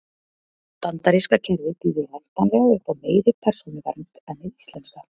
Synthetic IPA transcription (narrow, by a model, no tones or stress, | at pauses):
t̪ant̪aɾiskacʰɛɾðɪpiːðʏɾlɛn̥t̪anlɛɣaʏhpawmeːjɾɪpʰɛɾ̥sunɪva̰ɾnt̪ɛðnɪðist̪lɛnska